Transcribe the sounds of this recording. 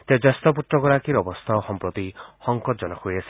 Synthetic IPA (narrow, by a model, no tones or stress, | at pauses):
t̪eɔd͡ʒast̪ɔp̬ut̪ɾɔɡɔɾakiɾɔbɔst̪ʰaxɔmpɾɔt̪ihɔŋkɔt̪̚d͡ʒɔnɔkʰujasi̥